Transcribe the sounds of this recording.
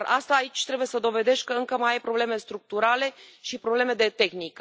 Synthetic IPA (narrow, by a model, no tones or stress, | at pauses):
ast̪aːit͡ʃʲt̪ɾebuje̞səd̪o̞ve̞d̪e̞ʃ̚ʲkəɨŋkəmajajpɾo̞ble̞me̞st̪ɾuk̚t̪uɾale̞ʃipɾo̞bleme̞d̪e̞t̪e̞xnik